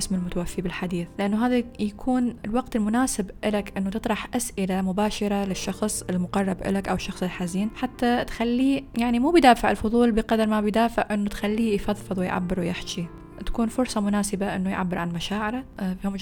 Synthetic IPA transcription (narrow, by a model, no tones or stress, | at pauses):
ʔɪsmɪlmʊt̪awafːibɪlħad̪iːθlɪʔanːuɦaːðajakʰuːnɪlwɑqt̪ɪlmʊnaːsɪbʔɪlakʔɪnːut̪ɨt̪ˤɾˤɑħʔasʔɪlamʊbaːʃɑɾˤalɪʃːɑxsˤɪlmʊqɑrˤːɑbʔɪ̰lakʔawɪʃːɑxsˤɪlħaziːnħat̪ːat̪xalːiːjaʕnimuːbɪd̪aːfɪʕɪlfʊðˤuːlbɪqɑd̪ɑɾˤmabɪjd̪aːfɪʕʔɪnːut̪xalːiːjfɑðˤfɨðˤwɪjʕa̰bːɪɾwjɪħt͡ʃi | t̪ḁkuːnfʊɾˤsˤɑmʊnaːsɪbaʔɪnːujʕa̰bːɪɾʕanmaʃaːʕɪɾafiʊm